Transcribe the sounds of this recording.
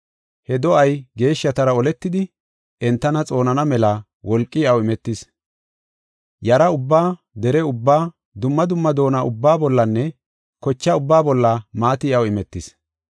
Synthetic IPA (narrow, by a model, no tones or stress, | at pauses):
hɛd̪ɔʔɐjɡe̞ːʃːɐt̪ɐɾɐɔlɛt̪ːɪd̪ɪ | ʔɛnt̪ːɐnɐt͡sʼo̞ːnɐnɐmɛlɐ | wɔlkʼːɪjɐwɪmɛt̪ːɪs | jɐɾɐʊbːaː | d̪ɛɾɛʊbːaː | d̪ʊmːɐd̪ʊmːɐd̪o̞ːnaʔʊbːaːbɔlːɐnːɛ | kɔt͡ʃːɐʊbːaːbɔlːɐmaːt̪ɪɐwɪmɛt̪ːɪs